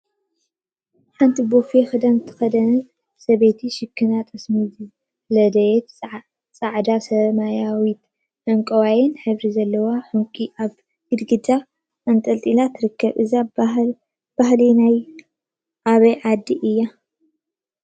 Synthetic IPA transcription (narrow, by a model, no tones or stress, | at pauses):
ħant̪ʰibofexɨd̪ɐnt̪ʰɨ̥xɐd̪ɐnt̪ | sɐβet̪ʰiʃɨkʰːɨnat̪ʼɐsmiz | lɐd̪ɐjɛt̪ | t͡sʼaʕd̪asɐmajawit̪ | ʔɐŋkʼɐwajɛnħɨβɾizɐlːɐwaħuŋkʼiʔaβ | ɡɨd̪ɡɨd̪a | ɐnt̪ʼɐlt̪ʼilat̪ʰːɾɨkʰːɐβʔɨza | b̥aɦlinaj | ʔaβɐjʕad̪ːiʔɨjːa